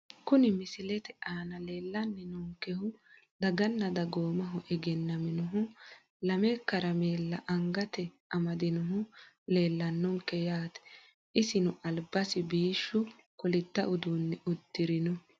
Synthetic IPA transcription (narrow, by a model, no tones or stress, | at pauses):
kʊnɪmɪsɪlɛt̪ɛʔaːnɐle̞ːlːɐnːɪnɔŋkːɛhʊ | d̪ɐɡɐnːɐd̪ɐɡoːmɐɦʊʔɛɡɛnːɐmɪnʊɦʊ | lɐmekːɐɾɐmeːlːɐʔɐŋɡɐt̪ɛ | ɐmɐd̪ɪnʊɦʊ | le̞ːlːɐnːɔŋkːɛjaːt̪ɛ̥ | ʔɪsɪnʊʔɐlbɐsɪbiːʃːʊ | kɔlɪt̪ːɐʔʊd̪uːnːɛʊd̪ːɪɾɪnʊ